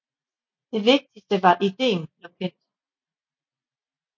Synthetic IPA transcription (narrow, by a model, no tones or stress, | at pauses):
d̥e̝ʋe̝ɡ̥̚d̥isd̥əʋɑ̈ʔid̥e̝̰ːnnopʰen̰d̥